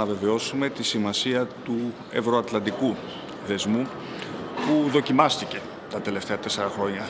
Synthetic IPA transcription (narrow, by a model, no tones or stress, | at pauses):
ɐve̞ve̞o̞sume̞t̪isimɐsiɐt̪u | e̞̰vɾo̞ɐt̪lɐnd̪iku | ðe̞zmu | puðo̞cimɐst̪ice̞ | t̪ɐt̪e̞le̞ft̪e̞ɐt̪e̞se̞ɾɐxɾo̞ɲɐ